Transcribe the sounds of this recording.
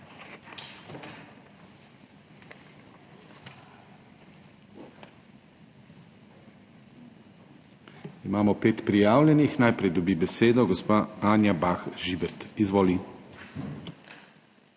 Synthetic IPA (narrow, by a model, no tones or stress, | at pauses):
imaːmɔpeːt̪pɾijaːwlʲɛnixnajpɾɛjd̪ɔbiːbɛseːd̪ɔɡɔspaaːnjabaxʒibɛɾt̪izʋoːli